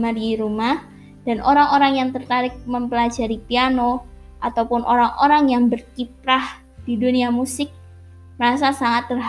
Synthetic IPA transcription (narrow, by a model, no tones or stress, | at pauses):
madiɾumah | d̥anʔoɾaŋoɾaŋjaŋt̪ərt̪aɾɪk̚məmpəlad͡ʒaɾipiano | ʔat̪awpʊnʔoɾaŋʔoɾaŋjaŋbərkip̚ɾah | d̥iduniamusɪk̚ | mɾasasaŋat̪ːərɦ